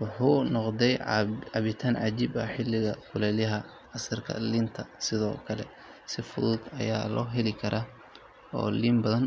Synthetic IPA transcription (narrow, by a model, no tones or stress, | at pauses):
wʊħuːnɔqd̪ɛjɑβɪt̪ʰaːnʕɑ̰d͡ʒiːbɐħɪlːɪɣɐkʰʊlɛːljɐɦɐ | ɐsɐrkʰɐ̰lɪnt̪ʰɐsɪðɔ̰ːkʰɐlɛ̰ | sɪfʊðuːd̪ɐ̰ja̰ːlɔ̰ːɦɛlɪkʰɐɾʔaː | ɔ̰ːliːmbɐðɐn